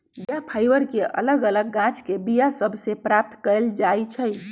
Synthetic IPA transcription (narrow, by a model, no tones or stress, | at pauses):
bijapʰajʋəɾkeʔə̰ləɡələɡːãt͡ʃkebijasəbʱsepɾap̚t̪kəld͡ʒat͡ʃʰəj